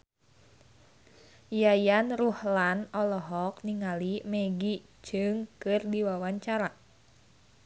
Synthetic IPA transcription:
jajanruhlanɔlɔɦɔkniŋalimɛɡi̥d͡ʒ̥ɨŋkɨrdiwawaɲt͡ʃaɾa

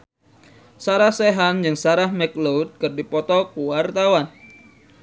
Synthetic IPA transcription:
saɾahseɦand͡ʒɨŋsaɾahmɛklowt̪̚kɨrdipɔt̪ɔkuwart̪awan

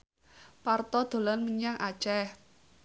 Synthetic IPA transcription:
part̪ɔd̪̥o̤lanməɲaŋʔḁt͡ʃɛh

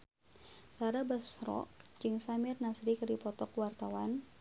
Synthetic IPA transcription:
t̪aɾabasrɔ̰k̚d͡ʒɨŋsamɪrnasɾikɨɾipɔt̪ɔkwart̪awan

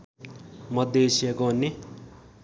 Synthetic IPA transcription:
mʌd̪esiaɡonːe

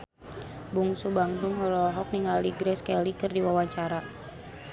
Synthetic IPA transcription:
buŋsubaŋduŋɦɔɾɔɦɔk̚niŋaliɡɾɛskɛlikɨrdiwawat͡ʃaɾa

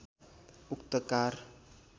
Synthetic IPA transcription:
ukt̪əkar

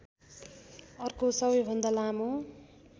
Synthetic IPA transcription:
ʌrkosʌbʌjbʱʌnd̪alamo

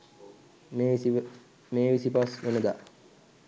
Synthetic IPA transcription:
meːʋisipasʋenəd̪a

